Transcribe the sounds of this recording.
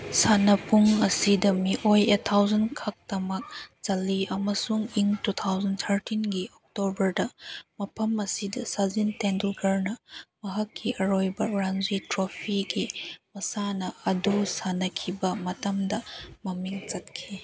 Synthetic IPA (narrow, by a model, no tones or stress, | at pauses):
sanɐpuŋɐsidɐmiʔojetʰːawzɐnkʰɐk̚tɐmɐk̚t͡ʃɐliɐmɐsuŋiŋtut̪ʰawzɐnt̪ʰɐɾtinɡiʔok̚tobɐɾdɐmɐpʰɐmɐsidɐsazintendulɡɐɾnɐmɐɦɐkʰːiʔɐɾojbɐɾanzitɾopʰiɡimɐsanɐɐdusanɐkʰibɐmɐtɐmdɐmɐmiŋt͡ʃɐt̚kʰi